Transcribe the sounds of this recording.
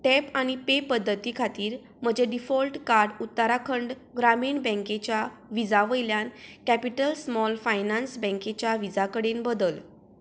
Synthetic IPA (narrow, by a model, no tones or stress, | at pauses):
ʈɛpañipepəd̪ʱːət̪ikʰat̪iːɾ | m̤əd͡ʑeɖifɔlʈkaɾɖut̪ːəɾakʰəɳɖ | ɡɾamiːɳbɛ̃ŋket͡ɕjaʋid͡zaʋəjljankæpiʈəlsmɔlfajnansbɛ̃ŋket͡ɕjaʋid͡zakəɽenbəd̪əl